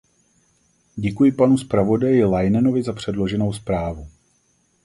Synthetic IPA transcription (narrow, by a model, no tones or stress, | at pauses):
ɟɛkujɪpanuspɾavo̞dajɪlajnɛno̞vɪzapr̥ɛdlo̞ʒɛno̞wspɾaːvu